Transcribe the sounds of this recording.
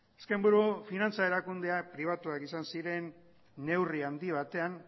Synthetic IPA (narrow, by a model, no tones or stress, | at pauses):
eskembuɾufinant͡sae̞ɾakund̪e̞apɾiβ̞at̪uakisansiɾe̞nː | e̞wriand̪iβ̞at̪e̞an